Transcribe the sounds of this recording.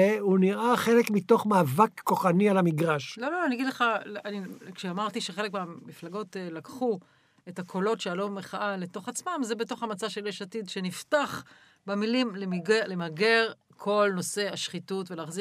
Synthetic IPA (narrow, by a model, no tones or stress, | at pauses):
euniʁaχe̞lekmito̞χmaːvakːo̞χanialamiɡʁaʃlo̞loaniaɡid̪leχalanikʃeamaʁtiʃeχe̞lekmeamiflaɡo̞telakχu | e̞takʰo̞lo̞tʃealomeχaʔale̞to̞χat͡smamzebeto̞χhamat͡saʃeleʃatidʃeniftaχ | bemilimlemiɡelemaɡe̞ʁ | kʰo̞lno̞se̞aʃχitutvelaːχzi